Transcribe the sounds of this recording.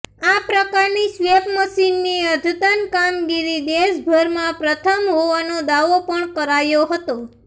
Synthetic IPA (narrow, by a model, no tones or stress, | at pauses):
apɾəkaɾnisʋepməʃinːiəd̪ʱut̪ənkamɡiɾid̪eʃbʱəɾmãpɾət̪ʰəmɦoʋanod̪aʋopəɳkəɾajoɦət̪o